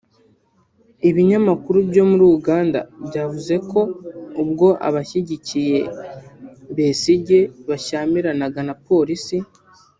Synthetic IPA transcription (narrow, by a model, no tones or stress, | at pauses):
iβiɲamakuɾubjo̞muɾuuɡaːnda̰bɟaːvuze̞ko̞ubɡo̞ʔa̰βaçiɟicije̞ | βesiɟe̞βaʃaːmiɾanaɡanapo̞ːɾisi